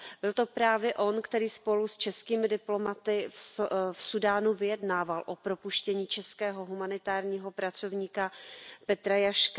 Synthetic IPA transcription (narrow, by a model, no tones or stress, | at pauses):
bɪlt̪opɾaːvjɛʔo̞nkt̪ɛɾiːspo̞lust͡ʃɛskiːmɪdɪplo̞mat̪ɪffsudaːnuvɪjɛdnaːvalʔo̞pɾo̞puʃcɛɲiːt͡ʃɛskɛːɦo̞ɦumanɪt̪aːɾɲiːɦo̞pɾat͡so̞vɲiːkapɛt̪ɾajaʃka